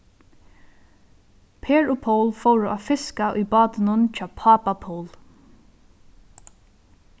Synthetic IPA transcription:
pʰeːɹʊpʰowlfowɾʊʔafɪskaʔʊ̰jbɑːt̪ɪnʊnt͡ʃʰɑːpʰaːpapʰoːl

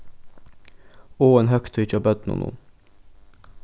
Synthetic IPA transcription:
oːeːnhœkt̪ʰʏʏc͡çoːbœd̪nṵːnṵːn

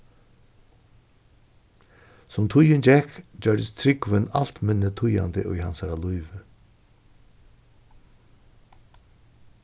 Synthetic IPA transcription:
sɔmt̪ʰʊjənd͡ʒɛkd͡ʒœːɖəst̪ʰɾɪkʋənal̥t̪mɪnːət̪ʰʊja̰nd̪əʔʊ̰jhansæɾalujʋə

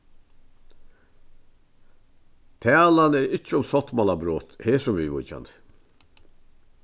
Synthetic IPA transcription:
t̪ʰæːlanɛɾɪt͡ʃːəʊmsɔt̪malabɾoːt̪heːsʊmvivʊ̰t͡ʃa̰nt̪ə̥

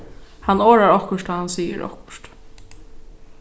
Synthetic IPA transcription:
hanːoːɹaɹɔhkʊʂt̪aːhansiːə̰ɾɔ̰hkʊ̥ʃt̪

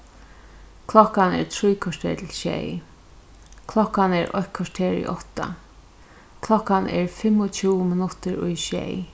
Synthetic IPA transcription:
kʰlɔkːanɛ̰ɹt̪ʰɾujkʰɔʂt̪ʰḛːɹt̪ʰɪlʃɛ̰j | kʰlɔhkːanɛɹɔ̰hkʰɔʂt̪ʰeːɹɪ̰ʔɔht̪a̰ | kʰlɔkːanɛɹfɪmʊt͡ʃʰuwmɪnʊt̪ɪɹʊ̰jʃɛ̰j

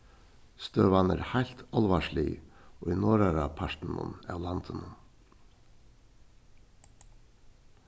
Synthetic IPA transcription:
st̪øːʋɑnæ̰ːɾhæɪlt̪ʰɑlʋɑːʃɭḭːoːiːnoːɾæɾɑːpʰɑʃn̩ṵnæ̰lɑnt̪ʰənən

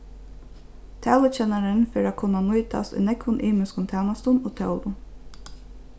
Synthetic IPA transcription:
t̪ʰæːlət͡ʃɛnaɾənfeɾakʰʊnanʊjt̪a̰st̪ʊ̰jnɛkʋʊnʔiːmʏskʊnt̪ʰæːnast̪ʊnoːt̪ʰɛʊlʊ

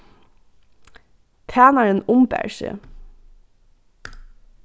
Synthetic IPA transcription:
t̪ʰæːnɑɹənʊmbæ̰ɹʃə̰

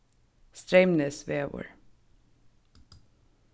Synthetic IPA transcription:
st̪ɹeɪmnəsʋeːʋɔ̰ːɹ

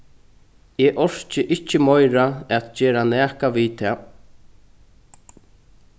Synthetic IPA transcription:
ɛʔɔɹ̥t͡ʃɪʔɪt͡ʃːəmɔjɾaɛt̪d͡ʒeːɾanɛːkaʋit̪ʰɛː

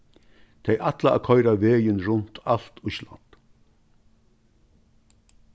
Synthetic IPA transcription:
t̪ʰɛjʔat̪laa̰kʰɔʏɾaʋeːjɪnɾʊnt̪al̥t̪ʊʃla̰nt̪

